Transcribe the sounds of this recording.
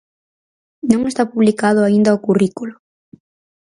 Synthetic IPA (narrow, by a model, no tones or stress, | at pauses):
nõŋest̪apuβlikaðʊaind̪ɐokurikulʊ